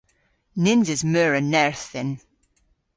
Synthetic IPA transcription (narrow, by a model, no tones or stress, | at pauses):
nɪnzɪzmœːɹənɛɹθɪn